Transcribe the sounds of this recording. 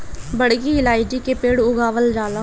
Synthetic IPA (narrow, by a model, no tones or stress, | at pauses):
bəɽɡiːɪlaːid͡ʒiːkeːpeːɽʊɡaːʋəld͡ʒaːlaː